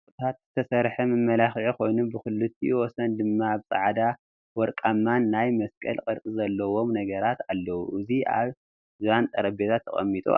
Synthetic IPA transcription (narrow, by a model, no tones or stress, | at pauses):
t̪ʰat̪z̥ɨt̪ʰɐsɐɾħɐmɨmːɐlaxʕikʰo̞jnunbɨxɨlːɨt̪ʰːiwɔsɐnd̪ɨmːaːβsʼa̰ʕd̪a | wɔɾkʼamːanːajmɐskʼɐ̰lqʼɨɾʔʼɨzɐlːɐwo̞mnɐɡɐɾat̪alːɐwuʔɨzia̰β | zβant̪ʼɐɾɐbet̪ʰat̪ʰːɐχʼɐ̰mːit̪ʼṵ